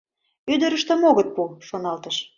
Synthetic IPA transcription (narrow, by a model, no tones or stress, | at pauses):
yd̪ə̆ɾə̆ʃt̪ə̆moɣət̪̚puʃonɑlt̪ə̆ʃ